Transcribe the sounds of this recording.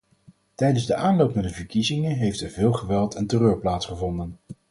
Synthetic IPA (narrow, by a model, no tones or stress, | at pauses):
tɛjdənzdəʔaːnlowpnaːɹdəvəɹkizɪŋəɦejftɛɹvɪːlˠχəʋɛlˠtɛntərøːɹplaːtsχəvɔndən